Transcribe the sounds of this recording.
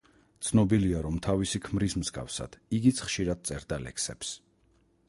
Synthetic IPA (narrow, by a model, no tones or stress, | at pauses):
t̪sʰnɔbiliaɾɔmt̪ʰavisikʰmɾismzɡa̰fsa̰d̪̥iɡit̪sʰχʃiɾad̪̥̚t̪sʼɛɾd̪alɛ̰ksɛ̰ps